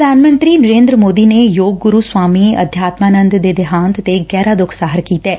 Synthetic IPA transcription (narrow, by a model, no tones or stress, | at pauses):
əd̪aːnmə̃nt̪ɾiːnəɾẽːnd̪ɾəmoːd̪iːneːjoːɡɡʊɾuːswaːmiːə̰d̪ʱjaːt̪maːnə̃nd̪d̪eːd̪ɪɦãːnt̪t̪eɡɛːɾaːd̪ʊkʰsaːɦəɾkiːt̪ɛː